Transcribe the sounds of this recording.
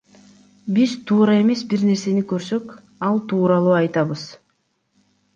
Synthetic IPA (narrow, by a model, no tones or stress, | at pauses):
bizt̪ʰuːɾɑe̞me̞sbiɾne̞ɾse̞nikø̞ɾsø̞k | ɑlˠt̪ʰuːɾɑlˠuːɑjt̪ɑβɯz